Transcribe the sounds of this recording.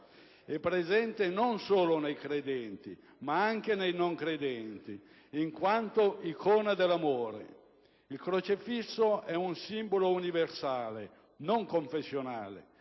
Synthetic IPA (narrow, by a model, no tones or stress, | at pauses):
ɛpːɾezɛnt̪enonsoːlonejkɾed̪ɛnt̪i | maaŋk̟enejnoŋkɾed̪ɛnt̪i | iŋkwant̪oikʰɔːnad̪elːamoːɾḛ | ilkɾot͡ʃifisːoɛunsimbolouniversaːle | noŋkoɱfesːjonaːlḛ